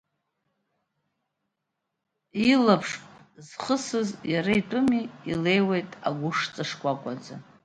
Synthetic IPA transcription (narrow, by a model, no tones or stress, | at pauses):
ilapʰʂpʼzχəsɨzjaɾaitʼʊmḭːle̞jwejtʼa̰ɡʷʊʂt͡sʼaʂkʷʼakʷʼad͡za